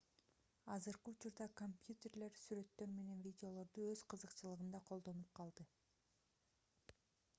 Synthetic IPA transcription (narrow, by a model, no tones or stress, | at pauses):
ɑzɯɾqɯut͡ʃuɾd̪ɑkompjut̪ʲe̞rle̞ɾsyɾe̞t̪ːø̞ɾme̞ne̞nvʲidʲeo̞lˠo̞ɾd̪uøzqɯzɯqt͡ʃɯlˠɯʁɯnd̪ɑqʰo̞lˠd̪o̞nup̚qʰɑlˠd̪ɯ